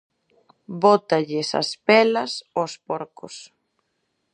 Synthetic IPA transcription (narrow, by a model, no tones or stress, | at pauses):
bɔt̪ɐʎɪsɐ̰spɛlɐsospɔɾkʊs